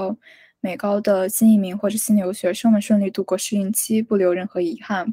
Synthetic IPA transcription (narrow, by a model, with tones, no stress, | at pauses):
ʊ | me˨˩ɪkɑ˥ʊd̪ə˨ɕi˥ni˥˩mi˧˥ŋxwɔ˥˩ʈ͡ʂɤ˨˩ɕi˥njo˧˥ʊɕɥɛ˧˥ʂɤ˥ŋmə˧˥nʂwə˥˧nli˥˧t̪u˥˧kwɔ˥˩ʂɻ̩˥˧i˥˩nt͡ɕʰi˥pu˥˩ljo˧˥ʊɻə˥˩nxɤ˧˥i˧˥xa˥˩n